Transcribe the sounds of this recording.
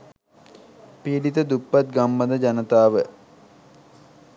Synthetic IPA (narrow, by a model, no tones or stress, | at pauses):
pilit̪əd̪upːat̪̚ɡamːəd̪əd͡ʒanət̪aːʋə